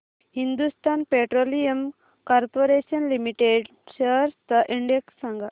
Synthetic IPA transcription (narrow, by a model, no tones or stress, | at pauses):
hind̪ust̪aːnpeʈɾoːlijɐm | kaɾpoɾeːsɐnlimiʈeɖ | sɐɾt̪ɐʔiɳɖeksɐŋɡɐ